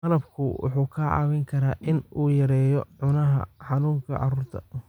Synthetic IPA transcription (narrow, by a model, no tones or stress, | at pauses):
ɐlɐb̚kʰʊwʔʊ̰ħuːkʰɐːʕɑ̰ːwɛŋkʰɐɾaːʔɪnʔuːjɐɾɛːjɔʕʊnɐɦɐ̰ħɑnuːŋkʰɐ̰ʕɑ̰ruːrt̪ʰɐ̰